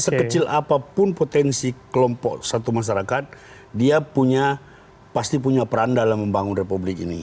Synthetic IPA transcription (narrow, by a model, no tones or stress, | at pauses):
səkət͡ʃɪlapapʊnpot̪ɛnsikəlɔmpɔʔsat̪umaʃ̬aɾakat̪̚ | diapuɲa | past̪ipuɲapəɾandalamːəmbaŋʊnrepublɪkḭnḭ